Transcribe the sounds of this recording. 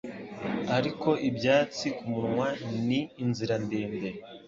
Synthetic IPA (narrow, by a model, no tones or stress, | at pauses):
aɾiko̞ʔibjaːt͡sikumuɾŋwaniːnziɾandeːnbe̞